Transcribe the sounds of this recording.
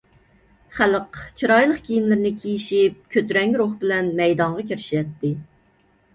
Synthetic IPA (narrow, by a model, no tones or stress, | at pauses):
χæləqt͡ʃʰiɾɑjlˠəqkʲʰijinlɪɾnɪkʲʰejiʃip̚kʲʰøt̪ɾɛŋʲɾoχbɪlɛnmɛjd̪ɑɴʁɑkʲʰeɾɪʃijɛt̪ːɪ